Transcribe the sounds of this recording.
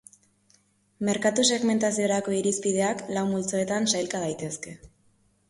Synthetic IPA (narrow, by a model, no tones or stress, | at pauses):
me̞ɾkat̪useɣme̞nt̪asio̞ɾako̞iɾispið̞e̞aklawmult͡so̞e̞t̪ansajlkað̞ajt̪e̞ske̞